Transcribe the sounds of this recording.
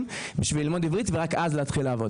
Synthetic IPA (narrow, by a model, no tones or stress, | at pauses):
m | biʃvililmo̞d̪ivʁit̪veʁakazleat̪χileavo̞